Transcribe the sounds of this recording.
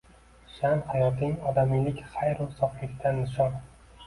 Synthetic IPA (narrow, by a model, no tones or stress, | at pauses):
ʃanhajɒt̪ʰɪŋɒd̪amijlɪkʲχajɾʊsɒqlˠɪkʲt̪ʰanːɪʃɒn